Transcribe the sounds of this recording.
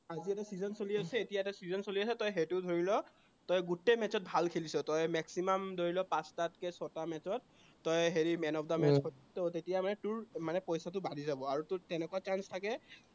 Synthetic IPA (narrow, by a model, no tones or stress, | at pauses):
aziɛtasizɔnsoliasɛetijaɛtasizɔnsoliasɛtɔjɦetʊdʱoɹilɔ | tɔjɡutemɛt͡ʃɔt̚bʱalkʰelisɔtɔjmɛksimamdoɹilɔpãstat̚kɛsɔtamɛt͡ʃɔt̚ː | ɔjɦeɹimɛnɔpʰdamɛskʰɔttɔtetijamanɛtuɹmanɛpɔjsatʊbadizabɔaɹutʊtɛnɛkɔat͡ʃanstʰakɛ